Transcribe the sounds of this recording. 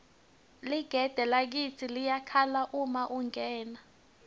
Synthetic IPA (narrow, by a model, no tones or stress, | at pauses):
liɡ̥ʱɛd̥ʱɛlak̬it͡sʰilijakʰalaʔumaʔuŋʱɛːna